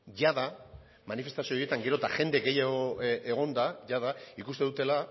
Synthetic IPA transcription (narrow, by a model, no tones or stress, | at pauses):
ʝaða | manife̞st̪asioje̞t̪aŋɡe̞ɾo̞t̪aʝe̞nd̪e̞ɣe̞jaɣoeɣ̞o̞nd̪aʝað̞aikust̪e̞ðut̪e̞la